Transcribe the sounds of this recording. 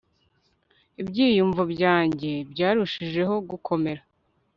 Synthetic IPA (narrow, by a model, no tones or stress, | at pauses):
ibɟiːjuɱvubɟaːɲɟe̞bɟaːɾuʃiʒe̞ɦo̞ɡukʰo̞me̞ɾa